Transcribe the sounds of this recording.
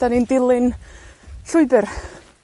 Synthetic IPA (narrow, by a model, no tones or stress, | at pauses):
d̥anindɪlˠɪn | ɬʊɨbɪr